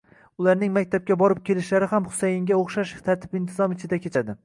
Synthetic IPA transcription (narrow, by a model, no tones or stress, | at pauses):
ʊlaɾnɪŋmakʲt̪ʰap̚kʲabɒɾɪp̚kʲʰe̞lɪʃlaɾɪhamχʊ̥sajɪŋɡʲaoχʃaʃt̪ʰaɾt̪ʰɪ̥pɪnt̪ʰɪzɒmɪt͡ʃʰɪd̪akʲʰet͡ʃʰad̪ɪ